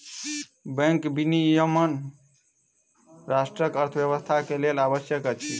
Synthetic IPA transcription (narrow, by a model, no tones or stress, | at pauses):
bɛ̃ŋkbinijəmən | ɾasʈɾəkəɾt̪ʰbjəβəst̪ʰakelelabəsjəkət͡ʃʰi